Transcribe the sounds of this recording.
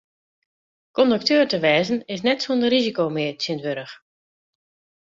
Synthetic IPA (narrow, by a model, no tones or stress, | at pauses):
kɔndək̚tøːrtəʋɛːzənɪsnɛtsondərizikoːmɪətsɪntʋøɾəx